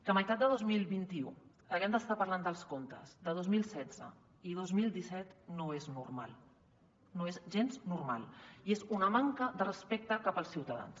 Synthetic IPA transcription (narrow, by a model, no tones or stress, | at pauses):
kəməjt̪at̪̚d̪əðozmilˠβint̪iu | əɣɛmd̪əst̪apəɐɾland̪əlˠskont̪ə̰zd̪əðozmilˠsɛd͡zə̰ | ið̞ozmilˠd̪isɛt̪noeznurma̰lˠ | noezʒenznurma̰lˠiezunəmaŋkəðərəspek̚t̪əkapəlˠsiwt̪əða̰ns